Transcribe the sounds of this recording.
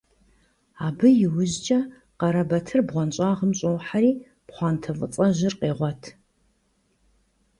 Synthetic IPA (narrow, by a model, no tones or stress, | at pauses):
aːbɨjɪwʊʑt͡ʃʼɐ | qɐɾɐbɐtʰɨrbʁʷɔnɕʼaːʁəmɕʼowħaɾiː | pχʷɑːntʰɐvɨ̰t͡sʼɐʒɪrqeːʁʷɔtʰ